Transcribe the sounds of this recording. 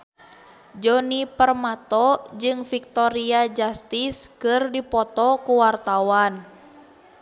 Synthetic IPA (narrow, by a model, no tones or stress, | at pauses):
d͡ʒɔnipərmat̪ɔd͡ʒɨŋfik̚t̪ɔɾiad͡ʒast̪iskɨrdipɔt̪ɔkuwart̪awan